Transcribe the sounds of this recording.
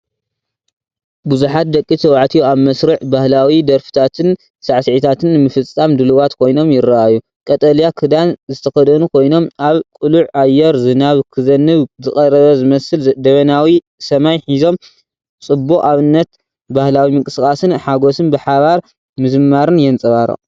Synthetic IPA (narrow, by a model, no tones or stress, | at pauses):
buzuħat̪̚d̪ɐkʼːit̪ʰɐwaʕt̪ʰijoaβmɐsɾɨʕbahlawid̪ɐɾfɨ̥t̪ʰat̪ʰɨn | saʕsʕit̪ʰat̪ʰɨnmɨfɨt͡sʼːamd̪ɨluβat̪kʰo̞jno̞mjɪɾːaʔaju | kʼɐt̪ʼɐljakʰɨd̪anzɨt̪ʰɐxɐd̪ɐnukʰo̞jno̞mʔaβkʼuluʕajːɛɾzɨnaβkʰɨzɐnːɨβzɨxʼɐɾɐβɐzɨmɐsɨld̪ɐβɐnawi | sɐmajħizo̞m | t͡sʼɨbːuaβɨnːɐt̪ | bahlawimɨŋkʼɨskʼasɨnħaɡo̞sɨnbɨħaβaɾ | mɨzɨmːaɾɨnjɛnt͡sʼɐβaɾɐ̰